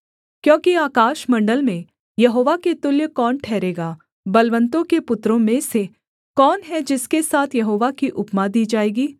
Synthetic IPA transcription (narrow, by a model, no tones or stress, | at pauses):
kjõːkiaːkaːʃmɐ̃ɳɖəlmẽ | jɐɦoːʋaket̪ʊljəkɔːnʈʰɛːɾeːɡaː | bɐlʋə̃nt̪õkepʊt̪ɾõmẽse | kɔːnɦɛd͡ʒɪskesaːt̪ʰjɐɦoːʋakiʔʊpmad̪iːd͡ʒaːeːɡiː